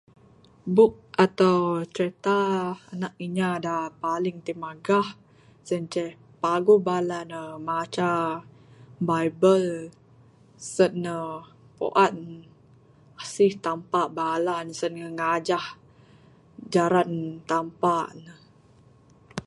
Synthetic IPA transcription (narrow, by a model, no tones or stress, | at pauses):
bʊk̚at̪awt͡ʃɾet̪aːnak̚iɲadapalɪŋt̪imaɡah | sənt͡ʃəh | paɡubalanəmat͡ʃa | bajbəl | sənːə | po̰ʔan | asɪht̪ampaʔbalansənŋəŋad͡ʒah | d͡ʒaɾant̪ampaʔnə